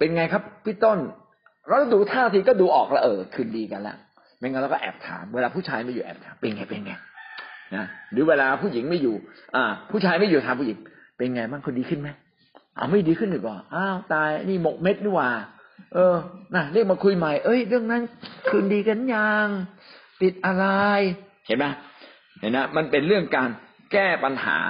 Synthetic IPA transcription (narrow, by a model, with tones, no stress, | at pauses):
pe˧nŋa˧jkʰa˦˥pʰːiː˦˥˩t̪o˥˩n | ɾa˧˩wɾa˧˩duː˧t̪ʰaː˥˩˧t̪ʰiː˧kɔː˥˩duː˧ʔɔː˨˩k̚la̰˧ʔɤː˨˩kʰɯː˨˩ndiː˧ka˧nlɛ̰˦˥ʔ | mɛ˧ŋa˧jɾa˧˩kɔ˥˩ʔɛ̰ː˨˩p̚t̪ʰa̰ː˨˧˦mweː˧laː˧pʰuː˥˩t͡ɕʰaː˧jma˥˩juː˨ʔɛ̰ː˨˩p̚t̪ʰaː˨˦npe˧nŋa˧jpe˧nŋa˧jna˦˥ɾɯː˨˦weː˧laː˧pʰuː˥˩ji˨˩˦ŋma˥˩juː˨˩ʔaː˨˩pʰuː˥˩t͡ɕʰaː˧jma˥˩juː˨t̪ʰaː˧npʰuː˥˩ji˨˩˦ŋ | pe˧nŋa˧maː˥˩ŋkʰo˧ndiː˧kʰɯ˥˩nma˦˥j | ʔa̰˧˩wma˥˩jdiː˧kʰɯ˥˩nʔiː˨˩k̚ɔː˨˩ʔaː˧˥˩wt̪aː˧jniː˥˩mo˨˩k̚me˦˥t̪̚diː˧˩kwaː˨˩ | ʔɤː˧na˧˩ɾɯ˥˩k̚maː˧kʰu˧jma˨˩jʔɤ˦˥˩jɾɯ˥˩əŋna˦˥nkʰɯː˧ndiː˧ka˧nja˧ŋ | p̪i˨˩t̪̚ʔa˧ɾa˧j | t͡ɕʰa˦˥jma˦˥ | na˨˧˩na˦˥ma˧npe˧nɾɯ˥˩əŋkaː˧n | kɛː˥˩pa˧nha̰ː˩˦